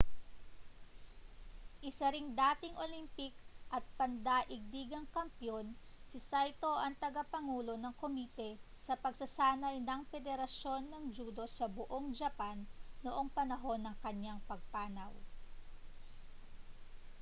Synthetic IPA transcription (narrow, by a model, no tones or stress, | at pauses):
ʔɪsɐɾɪŋd̪aːt̪ɪŋʔolimpɪkʔɐt̪̚pɐnd̪aʔɪɡ̚d̪iːɡɐŋkɐmpjo̞n | sɪsajt̪o̞ʔɐŋt̪ɐɡapɐŋuːlo̞nɐŋkomit̪ɛ | sɐpɐɡsɐsaːnɐjnɐŋfɛd̪ɛɾɐʃo̞nːɐŋd͡ʒuːd̪o̞sɐbʊʔoŋd͡ʒɐpanːoʔo̞ŋpɐnɐɦo̞nːɐŋkɐɲːaŋpɐɡ̚paːnɐw